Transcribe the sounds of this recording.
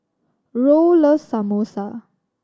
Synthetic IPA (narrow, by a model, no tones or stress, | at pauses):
ɹoləsamosa